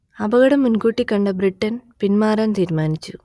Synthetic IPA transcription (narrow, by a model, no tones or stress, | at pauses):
ɐbɐɣɐɽɐmːunkuːʈːikːɐɳɖɐbriʈːɐnpinmaːɾɐnt̪iːɾmaːnit͡ɕːu